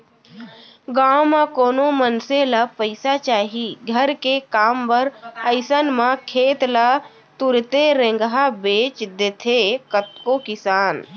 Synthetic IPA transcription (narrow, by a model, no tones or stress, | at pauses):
ɡawmakoːnomənselapəɪsat͡ʃaːɦiɡʱəɾkekaːmpəɾəɪsənmãkʰeːt̪la | t̪uɾt̪eɾẽŋɡɦabeːt͡ʃd̪et̪ʰekət̪kokɪsaːn